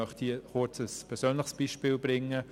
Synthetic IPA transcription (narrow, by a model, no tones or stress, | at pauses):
œχthiːχʊt͡səspʰɛɾsøːnlɪχsb̥iːʃpiːlbɾɪŋːə